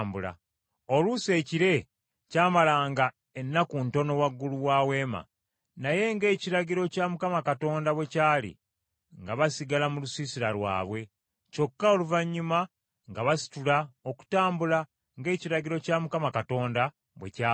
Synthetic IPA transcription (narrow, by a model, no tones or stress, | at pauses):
mbula̰ | oluse̞ːciɾe̞ | caːmalaːŋɡa | enːakunto̞no̞waɡːuluwaːwe̞ːma̰ | naje̞ŋɡe̞ːciɾaɟiɾo̞camukamakato̞ːndaβwe̞caːlḭ | ŋɡaβasiɡalamulusiːsiɾalwa̰ːβwe̞ | co̞kːao̞luvaɲːuma | ŋɡaβasi̥tulaoku̥taːmbula | ŋɡe̞ːciɾaɟiɾo̞camukamakato̞ːnda | βwḛcaː